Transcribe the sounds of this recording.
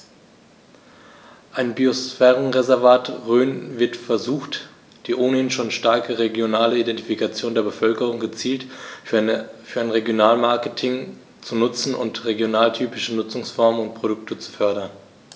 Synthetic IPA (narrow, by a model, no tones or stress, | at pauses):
ʔaɪnbiosfɛːʁənʁezɛɐvaːtʁøːnvɪɐtfɛɐzuːxt | d̥iːʔoːnəhɪnʃoːnʃtaɐkəʁeɡjonaːləidɛntifikat͡sjoːndeːɐbəfœlkəʁʊŋɡət͡siːlt | fyːɐaɪnʁeɡjonaːlmaɐkətʰɪŋ | t͡sunʊt͡sn̩ʊ̰ntʁeɡjonaːltʰyːpɪʃənʊt͡sʊŋsfɔɐmənʊnt̚pʁ̥oɾʊktət͡su̥fœɐɾɐn